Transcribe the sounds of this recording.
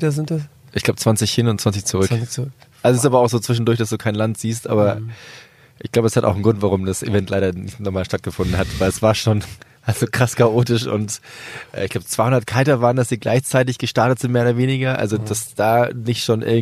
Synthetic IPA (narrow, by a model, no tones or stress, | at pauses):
dɐzɪntas | ʔɪçɡlaʊbət͡sv̥ant͡sɪçhɪnʊntt͡sv̥ant͡ssɪçt͡suʁ̞ʏkt͡s | ʔalzosɪstʔaːbɐaʊxz̥oːt͡sv̥ɪʃn̩dʊɐç̬d̥asd̥uːkʰaɪnlantz̥iːstʔa̰ːbɐ | ʔɪ̰çɡ̥laʊbəɛshatʔa̰ʊxn̩ɡʁʊntv̥aʁʊmdasʔḛvɛntʰlaɪɾɐnɪçtnɔχmaːlʃtat̚ɡ̥əfʊndn̩hatvaɪlɛsv̥aːɐʃoːn | ʔalzokʁ̥askʰaʔoːtɪʃʔʊ̰ntʔɛ̰ɪçklaʊbət͡sv̥aɪhʊndɐt̚kʰaɪtɐvaːʁəndasd̥iːɡla̰ɪçt͡saɪt̬ɪçɡ̥əʃtaɐtətz̥ɪnt̚meːoːɾɐveːnɪɡɐʔa̰lzod̥asd̥aːnɪçtʃoːnʔɪ̰ɐɡŋ